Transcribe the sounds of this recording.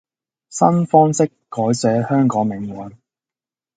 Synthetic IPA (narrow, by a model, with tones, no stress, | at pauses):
sɐ̰˥nfɔː˥ŋsɪ˥kːɔː˨˥jsɛː˨˥hœː˥ŋkɔː˨˥ŋmɪ˨˥ŋwɐ˨˥n